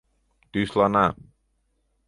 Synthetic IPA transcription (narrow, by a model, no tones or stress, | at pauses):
d̪̥uslɔna